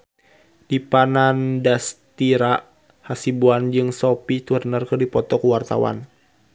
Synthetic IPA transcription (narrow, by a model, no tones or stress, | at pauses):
dipanandast̪iɾa | hasibuand͡ʒɨŋsɔpit̪urənarkərdipɔt̪ɔkuwart̪a̰wa̰n